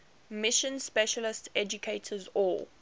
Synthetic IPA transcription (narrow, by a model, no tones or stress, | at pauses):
mɪʃə̃nspɛʃəlɪstɛd͡ʒukʰeɪtʰəzɔl